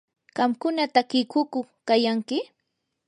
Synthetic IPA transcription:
ɢɑmkʊnat̪akɪkʊkʊχkajaŋkɪ

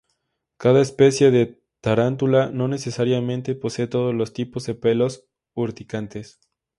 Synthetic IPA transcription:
kaðaespe̞sje̞ðe̞ | t̪aɾant̪ulano̞ne̞se̞saɾjamẽ̞nt̪e̞po̞se̞ːt̪o̞ð̞o̞zlo̞st̪ipo̞zðepe̞lo̞s | uɾt̪ikant̪e̞s

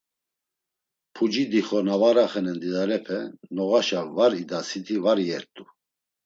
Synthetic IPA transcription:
pʰud͡ʒid̪iχɔnavaɾaχɛnɛnd̪id̪aɾɛpʰɛnɔɣaʃalvaɾid̪asit̪ʰivaɾiɛɾt̪ʼu

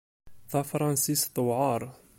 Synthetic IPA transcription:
θɑfɾˤɑnsist̪ˤːəwʕɑɾˤ

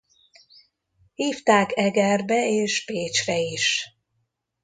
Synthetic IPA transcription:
hiːft̪aːkɛɡɛrbɛeːʃpeːt͡ʃrɛiʃ

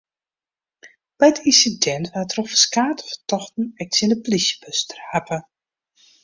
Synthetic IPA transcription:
b̥ɛjtʰinsidɛntʋatrofəskaːtə̥fə̥tɔxtn̩ɛk̚tsɪndəplisjə̥bøstərapə

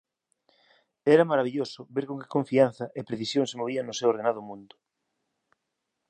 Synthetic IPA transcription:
ɛɾɐmaɾaβiʎosʊbeɾkõŋke̥kõɱfian̟θɐʔepɾeθisjõŋsemoβ̞iaŋnʊsewoɾð̞enaðʊmũnd̪ʊ

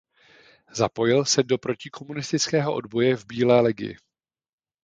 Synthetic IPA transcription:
zapo̞jɪlsɛdo̞pɾo̞cɪkʰo̞munɪst̪ɪt͡skɛːɦo̞ʔo̞̰dbo̞jɛvbiːlɛːlɪɡɪ̰jɪ̰

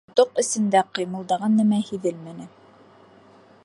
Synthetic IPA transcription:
t̪oqɘ̆sɘ̆nd̪æqɤ̆jmɤ̆lˠd̪ɑʁɑnːæmæhiðɘlmænɘ

